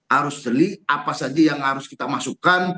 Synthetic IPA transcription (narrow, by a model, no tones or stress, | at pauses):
haɾʊsdəliʔapasad͡ʒajaŋhaɾʊskit̪amasukan